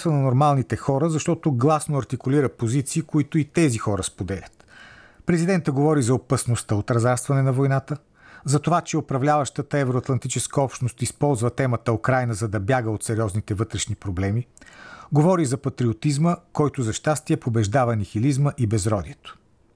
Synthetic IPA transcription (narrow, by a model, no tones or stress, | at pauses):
t̪vənɐnoɾmalˠnit̪ɛxɔɾəzɐʃt̪ɔt̪oɡlˠasnoɐɾt̪ikʊliɾəpozit̪siːkoit̪oit̪ɛzixɔɾəspod̪ɛlʲət̪ | pɾɛzid̪ɛnt̪əɡovɔɾizɐopɐsnost̪əot̪ɾɐzaɾst̪vɐnɛnɐvojnat̪ə | zɐt̪ovat͡ʃɛopɾɐvlʲavəʃt̪ət̪əɛvɛɾoɐt̪lˠɐnt̪it͡ʃɛskəɔpʃt̪nost̪ispɔlˠzvət̪ɛmət̪əokɾajnəzɐd̪ɐbjaɡəot̪sɛɾiɔznit̪ɛvɤt̪ɾɛʃnipɾoblɛmiɡovɔɾizɐpɐt̪ɾiot̪izməkɔjt̪ozɐʃt̪ast̪iɛpobɛʒd̪avənixilizməʔibɛzɾɔd̪iɛt̪o̥